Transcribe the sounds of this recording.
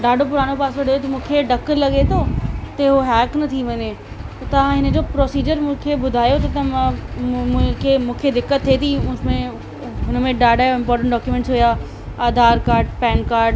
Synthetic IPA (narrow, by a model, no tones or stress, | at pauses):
ɖaːɖʱop̬ʊɾaːnopaːsʋɐɽ̤ʱojot̪ɐmũːkʰeɖɐklɐɠet̪ʰoːt̪ɐɦoɦɛːknɐt̪ʰiʋɐɲe | t̪ɐʋ̤ãɦɪnə̆d͡ʑoːpɾɔːsiːd͡ʑəɾmʊ̃ːkʰebʊd̪ʱaːjot̪ɐt̪ɐ̃ | kʰemũːkʰed̪ɪkːət̪ʰːeːt̪ʰĩmẽ | ɦʊnmẽɖaːɖaːɪ̃mpɔːɾʈə̃ɳʈɖɔːkjumɛ̃ːɳʈsɦʊjaː | aːd̪ʱaːɾkaːɾɖpɛ̃ːnkaːɾɖ